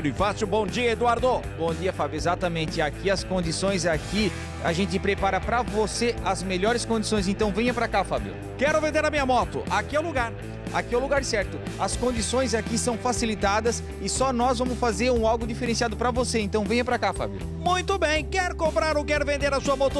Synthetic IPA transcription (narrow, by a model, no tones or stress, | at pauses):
ɾʊɪfasjʊbõw̃d͡ʒiɐed̪uaɾd̪obõw̃d͡ʒiɐfabjʊezat̪ɐmẽnt͡ʃ̪ɪakiɐskõd͡ʒ̪isõj̃zaki | a̰ʒẽnt͡ʃ̪ɪpɾepaɾɐpɾɐvoseɐzmeʎɔɾɪskõnd͡ʒisõj̃z̬ẽnt̪ɐ̃w̃vẽj̃ɐpɾakafabjʊ̰ | kɛɾʊvẽnd̪eɾɐmĩɲɐmɔt̪ʊ̰ʔakiawluɡaɾ | a̰kiawluɡaɾsɛɾt̪ʊ | ɐskõnd͡ʒ̪isõj̃zakisɐ̃w̃fasilit̪ad̪ɐs | ɪsɔnɔzvɐ̃mʊsfazeɾũawɡʊd͡ʒifeɾẽsiad̪ʊpɾɐvoseẽnt̪ɐ̃w̃vẽj̃ɐpɾɐkafa̰bjʊ̰ | mũj̃t̪ʊbẽj̃kɛɾʊkõmpɾaɾokɛɾʊvẽnd̪eɾɐsuɐmɔt̪ʊ